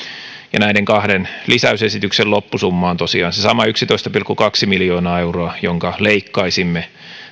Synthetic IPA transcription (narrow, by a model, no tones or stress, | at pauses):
jɑ̰næideŋkɑhdenlisæysesit̪yksellopːusumːɑːnt̪osiɑːnsesɑmɑyksit̪oist̪ɑpilkːukɑksimiljo̞ːnɑːeuroɑjoŋkɑleikːɑisimːe